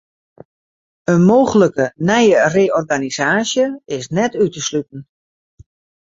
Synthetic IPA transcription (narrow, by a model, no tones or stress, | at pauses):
ənmowɣələkənɛjəreːɔrɡanizaːsjəɪsnɛtytəslytn̩